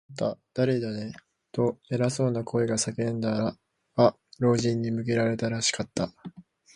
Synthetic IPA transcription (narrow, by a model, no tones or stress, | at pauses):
t̪ːad̪̥aɾe̞d̪ane̞ | t̪o̞e̞ɾaso̞ːnakʰo̞eɡasakẽ̞nd̪aɾa | ɡa | ɾo̞ːʑĩɲ̟ːimɯ̟k̬e̞ɾaɾe̞t̪aɾaɕi̥kat̪ːa